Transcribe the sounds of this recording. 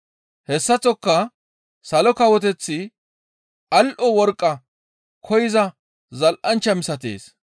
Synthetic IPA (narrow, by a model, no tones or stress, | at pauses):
hɛsːɐt͡sɔkːɐ | sɐlɔkɐwɔt̪ɛt͡sːɪ | ʔɐlʔɔwɔɾkʼːɐ | kʰɔjɪzɐ | zɐlʔɐnt͡ʃːɐmɪsɐt̪ḛːs